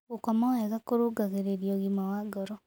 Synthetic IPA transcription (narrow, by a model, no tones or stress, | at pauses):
ɣokamaɛɣakoɾuːɡaɣeɾeɾiɔɣimawaɡɔɾɔ